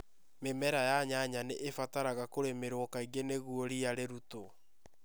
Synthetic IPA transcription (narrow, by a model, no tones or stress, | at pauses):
memɛɾajaɲaɲaneʔːfataɾaɣakoɾemeɾokaiɡeneɣuoɾijaɾeɾuto